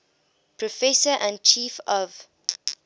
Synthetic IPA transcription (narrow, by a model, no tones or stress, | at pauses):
pʰɹɔfɛsəʔãn̚t͡ʃʰiːfɔv